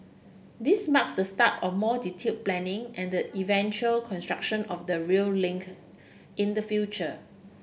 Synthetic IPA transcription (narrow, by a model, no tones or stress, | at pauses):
dismaksdəstapɔfmɔditʰit̚plɛ̃nɪ̃ŋʔɛ̃ndəʔivɛ̃nt͡ʃuəlkʰɔ̃nstɹak̚ʃə̃nɔfdəɹiəllɪ̃ŋk | ʔĩndəfjut͡ʃə